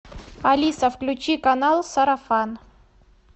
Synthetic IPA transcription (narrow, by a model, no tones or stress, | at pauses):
ɐlʲisəfklʲʉt͡ɕikɐnalˠsɐɾɐfan